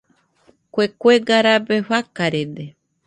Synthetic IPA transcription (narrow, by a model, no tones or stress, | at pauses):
kʷekʷeɡaɾabeɸakaɾed̪e